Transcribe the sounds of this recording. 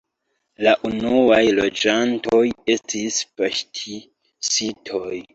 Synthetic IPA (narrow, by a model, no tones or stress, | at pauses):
laʔunuajlo̞d͡ʒanto̞je̞stispaʃtʰi | sitʰo̞j